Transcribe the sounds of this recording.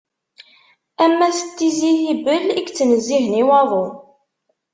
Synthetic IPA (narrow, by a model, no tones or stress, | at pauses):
æmːæsət̪ːiziθibəlikt͡sːənəzːiɦniwɑðˤo